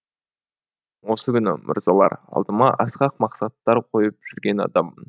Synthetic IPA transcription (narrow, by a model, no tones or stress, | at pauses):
wo̞səkʲʰʏnɪ̰mʔʊ̰ɾzɑlˠɑ̰ɾɑ̰lˠd̪əmɑʔɑsqɑq̚mɑqsɑt̪ːɑɾqʰo̞jəp̚ʒ̥ʏɾɡʲe̞nɑ̰d̪ɑmːən